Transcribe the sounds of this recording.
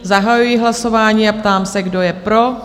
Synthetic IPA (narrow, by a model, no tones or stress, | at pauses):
zaɦajujɪɦlaso̞vaːɲiːapt̪aːmsɛɡdo̞jɛpɾo̞